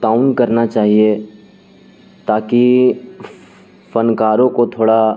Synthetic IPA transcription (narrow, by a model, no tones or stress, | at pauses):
ʈaːʊnkɐɾnat͡ʃaːɦie | t̪aːki | fɐnkaːɾõkot̪ʰoːɽa